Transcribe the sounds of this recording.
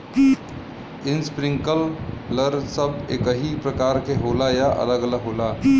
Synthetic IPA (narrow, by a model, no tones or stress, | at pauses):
ɪnspɾĩŋkəlːəɾsəbḛkəɦipɾəkaːɾkeɦoːlajaʔə̰ləɡələɡɦoːla